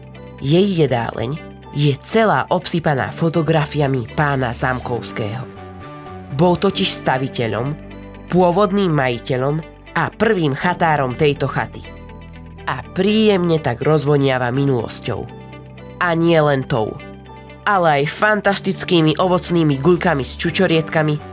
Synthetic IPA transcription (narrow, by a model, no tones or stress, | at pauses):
jɛjːɛd̪a̰ːlɛ̰ɲ | jɛt͡sɛlaːʔɔpsipana̰ːfɔt̪ɔɡɾafiamipaːna̰zamkɔʊskɛ̰ːɦɔ | bɔlˠt̪ɔciʃst̪aʋicɛʎɔ̰m | pʊɔʋɔd̪niːmːajicɛʎɔm | ʔapr̩ʋiːmxat̪aːɾɔmt̪ɛjt̪ɔxa̰t̪i̥̰ | ʔapɾiːjɛmɲɛt̪aɡɾɔzʋɔɲɪaʋaminulɔ̰scɔ̰ʊ | aɲɪɛlɛnt̪ɔ̰ʊ | alɛajfant̪ast̪it͡skiːmiʔɔʋɔt͡sniːmiɡuʎkamist͡ʃut͡ʃɔɾɪɛt̪kami